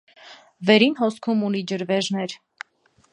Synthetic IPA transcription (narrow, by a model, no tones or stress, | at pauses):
vɛɾinɦɔskʰumunid͡ʒəɾvɛʒnɛɾ